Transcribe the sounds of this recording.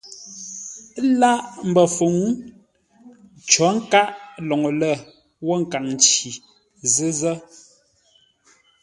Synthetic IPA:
la˦ʔm̩˨bə˨fu˨ŋ˦ | t͡ʃɔ˨˦ŋ̩˦ka˦ʔlɔ˨ŋo˨lə˦˨ | wɔ˦ŋ̩˨ka˨ŋn˨t͡ʃi˨ | zɨ˦zə˦

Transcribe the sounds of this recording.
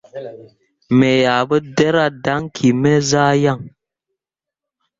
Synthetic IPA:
me˨ja˨bə˦dɛ˦ɾa˦da˦ŋkʰi˨mɛ˦zaː˦ja˦˨ŋ

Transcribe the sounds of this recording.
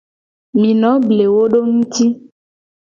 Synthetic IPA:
mĩ˨nɔ̃˨˦ble˨wo˦ɖo˦ŋũ˦t̪i˦

